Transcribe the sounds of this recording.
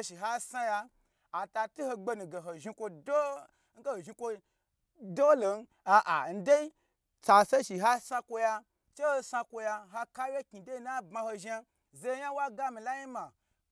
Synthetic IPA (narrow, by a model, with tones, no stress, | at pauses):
ʃi˨ɦa˦sa˦ja˧ | a˨ta˧tu˦ho˧ɡ͡be˧nu˨ɡe˨ɦo˨ʒi˧kʷo˧do˦ | ŋ̩˦ɡe˦ho˨ʒi˧kʷo˧ | do˦lo˨n˦ | a˨ʔa˨n̩˦de˦i˦ | t͡sa˧se˦ʃi˨ɦa˦sa˦kʷo˧ja˧ | t͡ʃe˦ho˧sa˧kʷo˧ja˧ɦa˧ka˦wje˦kʲi˨de˦i˦na˦bma˧ho˧ʒa˧ | ze˧˦ja˦wa˦ɡa˦mi˨la˦ji˦ma˨